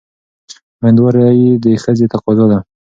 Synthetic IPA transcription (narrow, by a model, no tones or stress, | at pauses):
majnd̪wɑɾajid̪əxəzet̪aqɑzɑd̪a